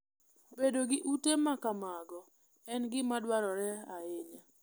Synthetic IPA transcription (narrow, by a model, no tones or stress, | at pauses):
bedoɡɪʔutemakamaɡɔ | ɛnɡɪmadwaɾɔɾɛaeɲa